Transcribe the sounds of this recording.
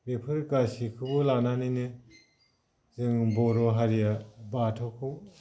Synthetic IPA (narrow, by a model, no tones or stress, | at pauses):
bepʰɯɾkasikʰɯbɯlananinɯ | zɯŋbɔɾɔɦaɾijabatʰɔkʰɯ